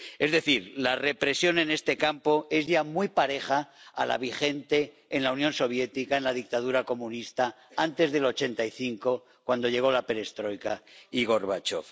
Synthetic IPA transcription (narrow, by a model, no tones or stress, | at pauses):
e̞zðe̞θiɾlare̞pɾesjo̞ne̞ne̞st̪e̞kampo̞e̞zʝamujpaɾe̞χa̰ːla̰β̞ixe̞nt̪e̞ː | nlaunjo̞nso̞β̞je̞t̪ikaenlaðik̚t̪að̞uɾako̞mũnist̪a | ant̪e̞zðe̞lo̞t͡ʃe̞nt̪aiθiŋko̞ | kwand̪o̞ʎe̞ɣ̞o̞lape̞ɾe̞st̪ɾo̞jkaiɣ̞o̞ɾβat͡ʃo̞̰f